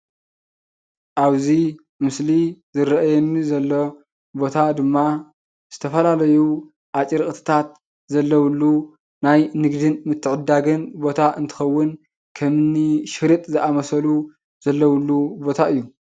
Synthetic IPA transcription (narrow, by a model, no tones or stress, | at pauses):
ʔaβzi | mɨslizɨɾɐʔjɛnizɐlːo | bo̞t̪ʰad̪ɨmːa | z̥ɨt̪ʰɐfɐlalɐju | ʔat͡ʃʼiɾkʼt̪ʰɨ̥t̪ʰat̪̚ | zɐlːɐwlːu | najnɨɡd̪ɨnmɨt̪ʰːɨʕɨd̪aɡɨnbo̞t̪ʰaʔɨnt̪ʰɨ̥xɐwːʊn | kʰɐmɨnːiʃɨɾit̪ʼzɨʔamɐsɐlu | z̥ɐlːɐwlːubo̞t̪ʰaɨjːu